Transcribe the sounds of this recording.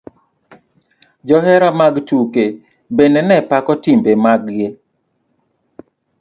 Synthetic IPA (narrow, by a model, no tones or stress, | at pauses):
d͡ʒɔɦɛɾamaɡtuke | benɛnɛpakɔtimbemaɡɡe